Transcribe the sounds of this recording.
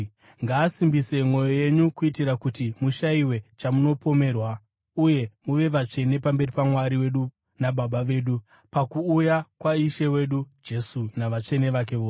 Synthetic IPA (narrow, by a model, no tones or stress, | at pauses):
ŋɡaːsimbise̞mwo̞jo̞je̞ɲukuitirakutimuʃaiwe̞t͡ʃamuno̞po̞me̞ːrwa | uje̞muʋe̞ʋat͡ʂe̞ne̞pambe̞ripamwaɾiwe̞ɗu | naɓaɓaʋe̞ːɗu | pakuːjakwaiʃe̞we̞ːɗud͡ʒe̞sunaʋat͡ʂe̞ne̞ʋak̬e̞ʋoː